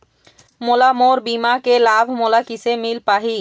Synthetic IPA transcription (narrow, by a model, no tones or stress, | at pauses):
molamoɾbimakelabʱmolakisemilpaɦi